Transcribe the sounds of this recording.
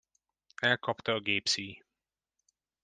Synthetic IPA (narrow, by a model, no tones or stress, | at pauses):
ɛlkʰɒpt̪ɒːɡeːpsiː